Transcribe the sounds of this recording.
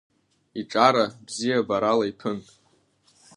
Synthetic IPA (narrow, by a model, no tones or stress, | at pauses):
iʈ͡ʂʼaɾabzijabaɾalaipʰɨn